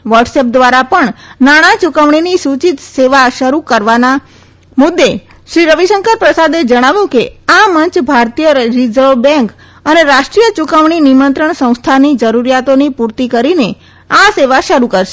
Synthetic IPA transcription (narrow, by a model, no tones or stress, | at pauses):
ʋəɾɖsep̚d̪ʋaɾapəɳnaɽ̃at͡ʃukəʋɳ̃inisut͡ʃit̪seʋaʃəɾukəɾʋana | mʊd̪ːe | ʃɾiɾəʋiʃəŋkəɾpɾəsad̪ed͡ʒəɽ̃aʋjũkeaməɲt͡ʃbʱaɾt̪ijəɾid͡ʒɾobɛ̃ŋk | əneɾaʃʈɾijət͡ʃukəʋɳinimənt̪ɾəɳsə̃w̃st̪ʰanid͡ʒəɾuɾjat̪onipuɾt̪ikəɾine | aseʋaʃəɾukəɾʃe̥